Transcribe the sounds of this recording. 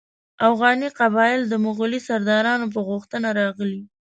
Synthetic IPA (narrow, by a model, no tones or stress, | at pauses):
afɣɑniqabɑjɪld̪əmʊɣʊlisaɾd̪ɑɾɑnop̬əɣʊxt̪ənaɾɑɣəli